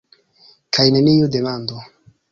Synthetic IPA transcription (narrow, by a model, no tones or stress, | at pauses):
kʰajneniudemando